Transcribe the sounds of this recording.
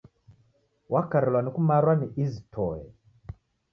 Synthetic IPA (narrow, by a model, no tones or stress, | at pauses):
wʔakaɾɛlwanikumaɾwaniʔizitʰɔɛ̰